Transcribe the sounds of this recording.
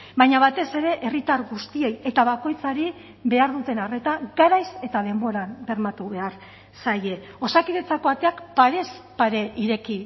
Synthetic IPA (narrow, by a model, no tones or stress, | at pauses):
bajɲaβat̪e̞se̞ɾe̞ʔerit̪aɾɣust̪ie̞je̞t̪aβako̞jt͡saɾi | βe̞aɾðut̪e̞nare̞t̪aɡaɾajse̞t̪að̞e̞mbo̞ɾambe̞ɾmat̪uβe̞aɾ | saje̞ | o̞sakiðe̞t͡sako̞at̪e̞akpaɾe̞spaɾe̞iɾe̞ki